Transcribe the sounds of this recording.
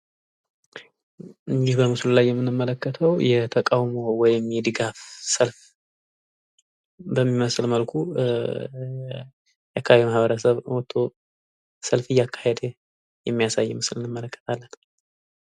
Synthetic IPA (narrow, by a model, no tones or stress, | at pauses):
ʔɨɲd͡ʒihbəmɨslulajːɛmːɨnɨmːələkːət̪ʰəwjɛt̪ʰəkʼawmo̞wɔjɪmjɛd̪ɨɡafsəlf | bəmːiməslməlkʰu | jakʰːaimahβəɾəsəβwot̪ʰːo̞ | səlfɨjːakʰːḁhed̪e | jɛmːijasajːɛmɨslɨnːɨmːələkːə̥t̪ʰalːən